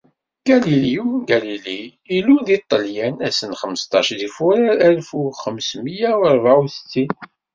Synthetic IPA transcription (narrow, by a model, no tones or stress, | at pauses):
ɡ̥æliliuɡæliliiluðit̪ˤːəljænæsənχəməst̪ˤɑʃðifuɾæɾælfuχəmsməjæwəɾˤvauθə̥t͡sːin